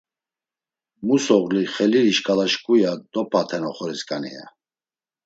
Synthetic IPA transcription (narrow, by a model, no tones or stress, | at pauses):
musɔʁliχɛliɾiʃkʼalaʃkʼujad̪̥ɔpʰat̪ʰɛnɔχɔɾɛskʼanɛ̰a̰